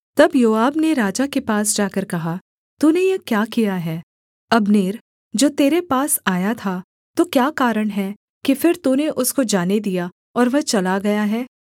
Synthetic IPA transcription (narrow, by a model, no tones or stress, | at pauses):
t̪ɐbjoːaːbneɾaːd͡ʒakepaːsd͡ʒaːkəɾkɐɦa | t̪uːnejɐkjaːkijaɦɛː | ɐbneːɾ | d͡ʒoːt̪eːɾepaːsaːjat̪ʰa | t̪okjaːkaːɾəɽ̃ɦɛ | kifɪɾt̪uːneʔʊskod͡ʒaːned̪ija | ɔːɾʋɐt͡ʃɐlaɡɐjaɦɛː